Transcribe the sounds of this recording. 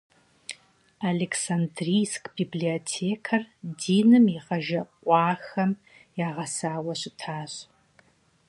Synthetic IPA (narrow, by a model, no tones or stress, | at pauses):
aleksandriːskbibliotʰeːkʰɐrdiːnɨmiʁɐʒɐqʷʼɑːxɐm | jaːʁɐsaːwɐɕɪtʰaːɕ